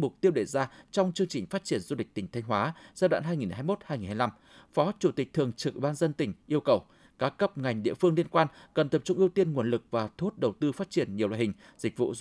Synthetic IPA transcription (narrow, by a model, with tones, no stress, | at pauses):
mʊ˨˩k͡p̚t̪i˧əwɗe˧˩zaː˧t͡ɕɔ˧wŋ͡mt͡ɕɨ˧əŋt͡ɕï˨˩ŋ̟faː˦˥t̚t͡ɕi˧˩ənzu˧lï˨˩k̚t̪ï˨˩ŋ̟t̪ʰa˧ŋ̟waː˨˦zaː˧ɗwa̰ː˧˨nɦaː˧jŋi˨˩nɦaː˧jmo˦˥t̚haː˧jŋi˨˩nhaː˧la˧m | fɔ˨˦t͡ɕu˧˩t̪ï˨˩k̟̚t̪ʰɨ˨˩əŋt͡ɕɨ˨kʔḭ˧˨˩ɓaː˧nzə˧nt̪ï˧˩ŋ̟ʔi˧əwkə˨˩w | kaː˨˦˥kːə˦˥p̚ŋa˨˩jŋ̟ɗḭ˧˨əfɨ˧əŋli˧ənkwaː˧nkə˨˩nt̪ə˨˩p̚t͡ɕʊ˧ŋ͡mʔi˧əwt̪i˧ənŋu˨˩ənlɨ˨˩k̚vaː˨˩t̪ʰu˦˥t̚ɗə˨˩wt̪ɨ˧faː˦˥t̚t͡ɕi˧˩ənɲi˨˩əwla̰˧˨˩hï˨˩ŋ̟ | zï˨˩k̟̚vṵ˧˨˧